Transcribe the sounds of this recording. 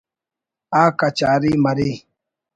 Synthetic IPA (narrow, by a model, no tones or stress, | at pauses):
akat͡ʃaɾimaɾi